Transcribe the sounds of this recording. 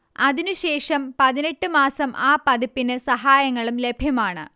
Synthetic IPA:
ɐðinuɕe̞ːʂɐmpɐðine̞ʈːɨmaːsɐmʔaːpɐðipːinɨsɐɦaːjɐŋːɐɭumle̞bʱjɐmaːɳɨ̰

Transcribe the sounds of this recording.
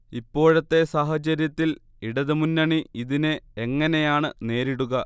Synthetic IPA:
ipːo̞ːɻɐt̪ːe̞saːɦɐt͡ɕɐɾjɐt̪ːil | iɽɐðɨmunːɐɳiiðinɨeŋːɐne̞jaːɳɨne̞ːɾiɽuɣɐ

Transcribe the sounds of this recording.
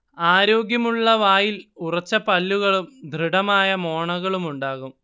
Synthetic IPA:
aːɾo̞ːɡjɐmuɭːɐʋaːjilurɐt͡ɕːɐpɐlːuɣɐɭumd̪ʱriɽɐmaːjɐmo̞ːɳɐɣɐɭumuɳɖaːɣum

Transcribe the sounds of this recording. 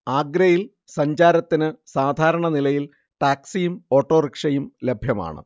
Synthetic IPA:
aːɡɾɐjil | sɐɲd͡ʑaːɾɐt̪ːinɨsaːd̪ʱaːɾɐɳɐnilɐjil | ʈaːksijumo̞ːʈːo̞ːrikʂɐjumle̞bʱjɐma̰ːɳɨ̰

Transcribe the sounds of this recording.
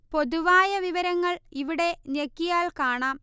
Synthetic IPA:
po̞ðuʋaːjɐʋiʋɐɾɐŋːɐɭiʋiɽe̞nekːijaːlkaːɳaːm

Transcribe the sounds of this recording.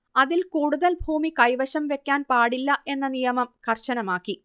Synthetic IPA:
ɐðilkuːɽuðɐlbʱuːmikɐjʋɐɕɐmʋe̞kʲːaːnpaːɽilːɐʔe̞nːɐnijɐmɐmkʰɐrɕɐnɐmaːkːi

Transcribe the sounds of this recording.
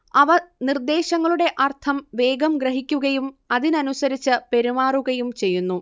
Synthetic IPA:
ɐʋɐnird̪e̞ːɕɐŋːɐɭuɽe̞ʔɐrt̪ʰɐmʋe̞ːɡɐmɡɾɐɦikʲːuɣɐjumɐðinɐnusɐɾit͡ɕːɨpe̞ɾimaːruɣɐjumt͡ɕe̞jːunːu

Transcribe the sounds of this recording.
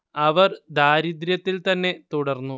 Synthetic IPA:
ɐʋɐrd̪aːɾid̪ɾjɐt̪ːilt̪ɐnːe̞t̪uɽɐrnːu

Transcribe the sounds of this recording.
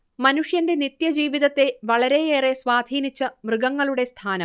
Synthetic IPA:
mɐnuʂjɐnde̞nit̪jɐd͡ʑiːʋiðɐt̪ːe̞ʋɐɭɐɾe̞jeːresʋaːd̪ʱiːnit͡ɕːɐmrɨɡɐŋːɐɭuɽe̞st̪ʰaːnɐm

